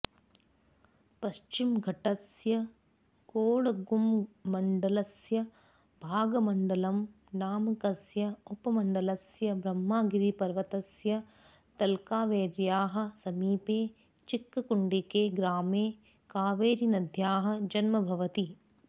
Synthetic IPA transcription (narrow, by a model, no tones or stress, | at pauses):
pɐʃt͡ʃimɡʱɐʈɐsjɐ | koːɭɐɡumːɐɳɖɐlɐsjɐ | bʱaːɡɐmɐɳɖɐlɐm | naːmɐkɐsjɐupɐmɐɳɖɐlɐsjɐbɾɐmːaːɡiɾipɐɾʋɐt̪ɐsjɐ | t̪ɐlkaːʋeːɾjaːɦɐ̆sɐmiːpeː | t͡ʃikːɐkuɳɖikeːɡɾaːmeː | kaːʋeːɾinɐd̪ʱjaːɦɐ̆d͡ʒɐnmɐbʱɐʋɐt̪i